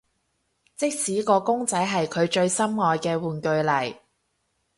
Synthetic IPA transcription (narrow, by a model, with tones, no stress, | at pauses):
t͡sɪ˥k̚siː˨˥kɔː˧kʊ˥ŋt͡sɐ˨˥jɦɐ˨jkʰɵ˨˧ɥt͡ʃɵ˧ɥsɐ˥mŋɔː˨˧jkɛː˧wuː˨nkɵ˧ɥlɐ˨˩j